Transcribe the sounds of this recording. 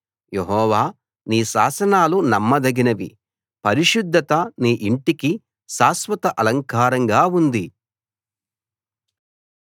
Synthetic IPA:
jeɦɔːʋaː | niːʃa̰ːsɐnaːlunɐmːɐd̪ɐɡinɐʋḭ | pɐɾiʃud̪ʱːɐt̪ɐniːʔiɳʈiki | ʃaːsʋɐt̪ɐʔɐlɐŋkaːɾɐŋɡaːund̪i

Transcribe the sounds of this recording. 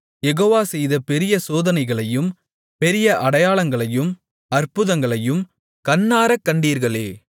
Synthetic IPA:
jɛɣoːʋaːsɛjðɐpɛɾɪjɐsoːðɐnɐɪɣɐɭɐjɯm | pɛɾɪjɐʔɐɽɐjaːɭɐŋɡɐɭɐjɯm | ɐɾpɯðɐŋɡɐɭɐjɯm | kɐnːaːɾɐkːɐɳɖiːɾɣɐɭeː

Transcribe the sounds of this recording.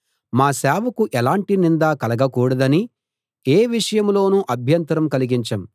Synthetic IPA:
maːsɛːʋɐkuʔɛlaːɳʈinind̪aːkɐlɐɡɐkuːɽɐd̪ɐni | eːʋiʂɐjɐmlo̞ːnuʔɐbʱjɐnt̪ɐɾɐmkɐliɡiɲt͡ʃɐm

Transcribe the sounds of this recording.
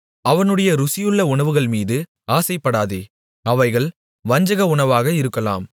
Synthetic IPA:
ɐʋɐnɯɽɐjɐɾʊsɪjɯɭːɐʊɳɐʋɯɣɐɭmiːðɯ | aːsɐɪpːɐɽaːðḛː | ɐʋɐɪɣɐɭ | ʋɐɲd͡ʒɐɣɐʊɳɐʋaːɣɐɪɾɯkːɐla̰ːm

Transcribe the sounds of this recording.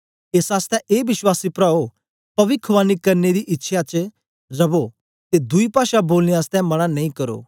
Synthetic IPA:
eːsaːst̪ɛ̃ʔːbɪʃwaːsipɾaːo | pɐʋɪkʰʋaːnikɐɾned̪iʔɪtːʃʰjat͡ʃ | ɾɐbo | t̪ed̪ʊipaːʃaboːlnijaːst̪ɛ̃mɐɽ̃anɐ̃ĩkɐɾo̰ː

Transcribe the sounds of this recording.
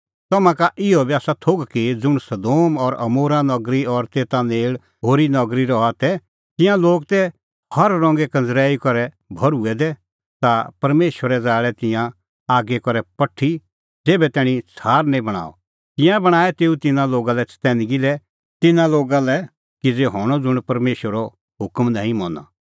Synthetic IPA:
t̪ɐmãkaʔɪɔbiaːsat̪ʰoɡkid͡zʊɽ̃sɐd̪oːmɔɾɐmoːɾãnɔɡɾiɔɾt̪eːt̪aneːɭ | ɦoːɾinɔɡɾiɾɔat̪ɛ | t̪ɪ̃jãloːɡt̪ɛ | hɐɾːɔ̃ːŋɡɛkɐ̃nd͡zɾɛːikɔɾɛ | bʱɐɾuɛd̪ɛ | t̪apɐɾmeːʃʋəɾɛd͡zaːɭɛt̪ɪ̃jã | aːɡɛkɔɾɛpɐʈʰːi | d͡zeːbɛt̪ɛːɽ̃ĩt͡sʰaːɾnɛ̃ĩbɐɽ̃a̰ːɔ̰ | t̪ɪ̃jãbɐɽ̃aːɛt̪eːut̪ɪnãloːɡalɛt͡sʰt̪ɛːnɡilɛ | t̪ɪnãloːɡalɛ | kid͡zeɦɔːɽ̃ɔd͡zʊɽ̃pɐɾmeːʃʋəɾɔ | ɦʊkmnãːɦĩmɔ̃ːna̰

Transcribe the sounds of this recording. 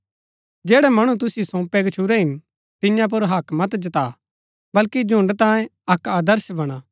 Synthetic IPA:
d͡ʒɛːɽɛmɐɽ̃ut̪ʊsisõːpɛɡət͡ʃʰuɾɛɦɪn | t̪ɪjãp̬ʊɾɦɐkmɐt̪d͡ʒɐt̪a | bɐlkid͡ʒʱʊ̃ɳɖt̪ãːjẽɐkaːd̪əɾsbɐɽ̃aː

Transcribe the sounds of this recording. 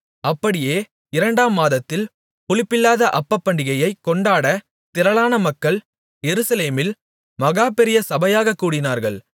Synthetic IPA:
ɐpːɐɽɪjeː | ɪɾɐɳɖaːmːaːðɐt̪ːɪl | pʊɭɪpːɪlːaːðɐʔɐpːɐpːɐɳɖɪɣɐjɐɪkːɔɳɖaːɽɐ | t̪ɪɾɐɭaːnɐmɐkːɐɭ | jɛɾɯsɐleːmɪl | mɐɣaːpɛɾɪjɐsɐbɐjaːɣɐkːuːɽɪnaːɾɣɐɭ

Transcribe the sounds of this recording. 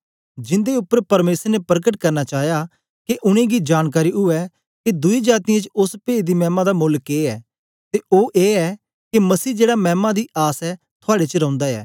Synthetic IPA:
d͡ʒɪ̃nd̪eʊpːəɾpɐɾmeːsəɾnepɾkəʈkɐɾnat͡ʃaːja | keʔʊɽ̃ẽɡid͡ʒaːnk̬aːɾiʊɛ | ked̪ʊid͡ʒaːt̪ɪjẽt͡ʃʊspeːd̪imɛːmãd̪amʊlkeːɛː | t̪eʔoːʔeːɛ | kemɐsiːd͡ʒeːɽamɛ̃ːmãd̪iʔaːsɛ | t̪ʰʊaːɽet͡ʃəɾɐ̃ʊ̃nd̪aɛ̰ː

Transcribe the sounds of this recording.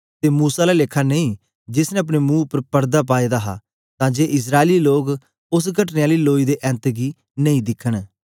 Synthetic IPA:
t̪eːmuːsaːlaːlɪkʰːaneĩː | d͡ʒɪsnɛ̃ɐp̬ɽ̃eːmũːʊpəɾpəɾd̪aːpaːid̪aːɦa̰ː | t̪ãːd͡ʒeːʔɪs̬ɾaːeliːloːɡ | ʊs̬ɡəʈneːaːliːloːiːd̪eːʔɛ̃ːnt̪ɡiː | nə̃ĩd̪ɪkʰːəɽ̃

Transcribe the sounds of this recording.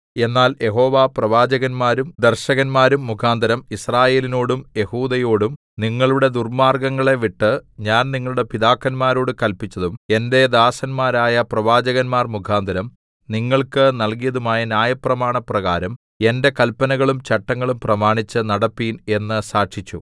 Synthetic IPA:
e̞nːaːljʔe̞ɦo̞ːʋaːprɐʋaːd͡ʑɐɣɐnmaːɾumd̪erɕɐɣɐnmaːɾumːukʰaːnd̪ʱɐɾɐmisraːje̞ːlino̞ːɽumje̞huːd̪ɐjoːɽum | niŋːɐɭuɽe̞d̪urmaːrɡɐŋːɐɭe̞ʋiʈːɨɲaːnniŋːɐɭuɽe̞piðaːkːɐnmaːɾo̞ːɽɨkɐlpːit͡ɕːɐðume̞nde̞d̪aːsɐnmaːɾaːjɐprɐʋaːd͡ʑɐɣɐnmaːrmukʰaːnd̪ʱɐɾɐm | niŋːɐɭkɨnɐlkijɐðumaːjɐnjaːjɐprɐmaːɳɐprɐɣaːɾɐm | e̞nde̞kɐlpɐnɐɣɐɭumt͡ɕɐʈːɐŋːɐɭumprɐmaːɳit͡ɕːɨnɐɽɐpːiːne̞nːɨsaːʈʂit͡ɕːu

